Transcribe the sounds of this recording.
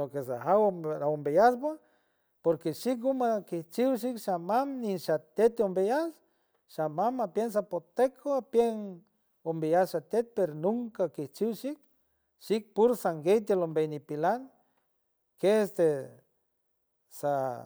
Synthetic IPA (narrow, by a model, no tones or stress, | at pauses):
lokes̬aɦawɾaombejasba | poɾkeʃik̚ɡumakiht͡ʃiwʃ̬ikʃamamniʃat̪et̪ombejas | ʃamamapjens̬apot̪ekʰoapjeŋ | ombejasʃat̪et̪̚peɾonuŋkakiht͡ʃiwʃik̚ | ʃik̚puɾsaŋɡejt̪elombejnipilaŋ | keest̪e | sa